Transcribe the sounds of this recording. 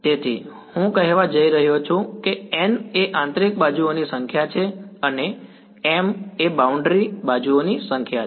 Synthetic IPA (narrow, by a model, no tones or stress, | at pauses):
t̪et̪ʰḭ | hũkəɦeʋad͡ʒəiɾəɦjot͡ʃʰũkeɛneʔãnt̪ɾik̚bad͡ʒuonisəŋkʰjat͡ʃʰeəne | emebauɳɖɾibad͡ʒuonisə̃ŋkʰja